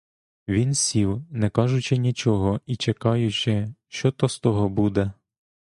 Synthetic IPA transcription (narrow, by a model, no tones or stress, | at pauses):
ʋʲinsʲiwnɛkɑʒʊt͡ʃɪnʲit͡ʃɔɦɔit͡ʃekɑjʊt͡ʃɪʃt͡ʃɔt̪ɔst̪ɔɦɔbud̪ɛ